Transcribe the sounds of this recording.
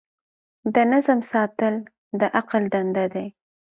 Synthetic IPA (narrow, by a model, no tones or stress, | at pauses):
d̪ənazəmsɑt̪əl | d̪əʔaqald̪and̪ad̪aj